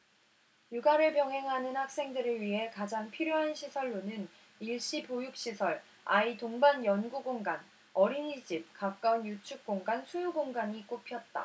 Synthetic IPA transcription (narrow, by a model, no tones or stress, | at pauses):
juɡaɾɯɭpjʌŋɦe̞ŋɦanɯnhak̚s͈e̞ŋdɯɾɯɭɥiɦe̞kad͡ʑaŋpʰiɾjoɦanɕʰisʰʌɭːonɯn | iɭɕ͈ipojuk̚ɕ͈isʰʌɭ | aitoŋbanjʌnɡuɡoŋɡan | ʌɾinid͡ʑip̚kak̚k͈aunjut͡ɕʰuk̚k͈oŋɡansʰujuɡoŋɡaɲik͈opʰjʌt̚t͈a̰